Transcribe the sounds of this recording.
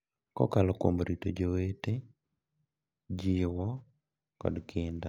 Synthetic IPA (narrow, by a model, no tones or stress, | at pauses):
kɔ̰kalɔkwo̰mɾitod͡ʒowete | d͡ʒɪwɔ | kɔ̰dkʰɪnda